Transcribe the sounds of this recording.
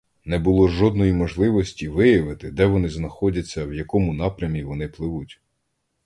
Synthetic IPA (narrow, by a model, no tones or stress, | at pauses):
nɛbʊlˠɔʒɔd̪̚nɔjimɔʒlˠɪʋɔsʲtʲiʋɪjɐʋɪt̪ɪd̪ɛʋɔnɪznɐxɔdʲɐt͡sʲːɐwjɐkɔmʊnɑpɾʲɐmʲiʋɔnɪplˠɪʋutʲ